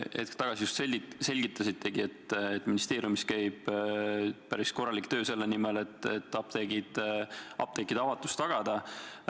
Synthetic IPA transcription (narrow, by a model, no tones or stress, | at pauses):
ʔḛt̪kt̪ɑɡ̥ɑsiust̪seise̞lʲɡ̥it̪ːˑɑsit̪ʰˑːe̞ɡie̞t̪ːet̪ːˑminist̪e̞ːɾijumiskæjb̥ | pæɾisko̞rːɑlikt̪ø̞ːse̞lːe̞nimele̞t̪ːˑet̪ːɑp̚t̪eɡid̪̥ɑ̰p̚t̪ekːˑid̪̥ɑvɑt̪ːˑu̥st̪ɑɡ̥ɑd̪̥ɑ